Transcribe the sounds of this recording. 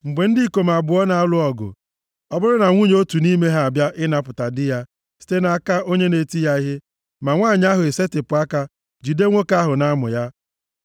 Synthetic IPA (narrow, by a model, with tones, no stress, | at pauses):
ŋ͡m̩˨ɡ͡be˨n̩˦di˦˨ko˨m˨a˨bʊ˨˦ɔ˦na˨a˦lʊ˦ɔ˨ɡʊ̰˨ | ɔ˦bʊ˦ɾʊ˦na˨ŋʷu˦ɲ˦o˦tu˨ni˦me˦ɦa˨a˨bja˦ʔɪ˦na˨pʊ˨ta˨dɪ˦ja˦ | si̥˦te˦na˨a˦ka˦o˦ɲe˦ne˨ti˦ja˦i˦ɦe˦ | ma˨ŋʷaː˦˨ɲ˦a˦ɦʊ˨e˨se˦tɪ˨pʊ˨a˦ka˦ | d͡ʒi˨de˦ŋʷo˦ka˦ɦʊ˨na˦mʊ̰˨ja˦